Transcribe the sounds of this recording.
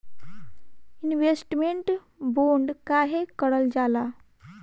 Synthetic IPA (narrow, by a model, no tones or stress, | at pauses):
inʋesʈmeɳʈ | boɳɖkaɦekəɽəld͡ʑala